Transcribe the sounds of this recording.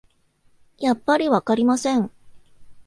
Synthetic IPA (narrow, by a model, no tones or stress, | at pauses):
japːaɾʲiβakaɾʲimasẽ̞ɴ